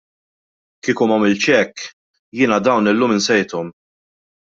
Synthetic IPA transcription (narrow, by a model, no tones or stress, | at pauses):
kiːkʊmɐmɪlt͡ʃɛkː | jɪːnɐd̪ɐwnɪlːuːmɪnsɛjt̪ɔm